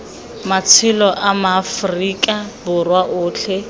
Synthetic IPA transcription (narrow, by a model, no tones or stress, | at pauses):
mat͡sʰɪlɔʔamafrikʼabʊrwaʔʊːt͡ɬʰɛ